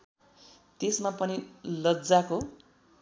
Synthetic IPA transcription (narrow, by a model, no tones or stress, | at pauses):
t̪esmapʌnilʌd͡zako